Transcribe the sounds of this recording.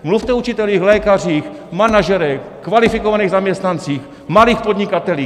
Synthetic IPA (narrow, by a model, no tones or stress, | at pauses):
mluft̪ɛut͡ʃɪt̪ɛliːxlɛːkariːx | manaʒɛɾɛx | kvalɪfɪkovaniːɣzamɲɛst̪nant͡siːx | maliːxpod̪ɲɪkat̪ɛliː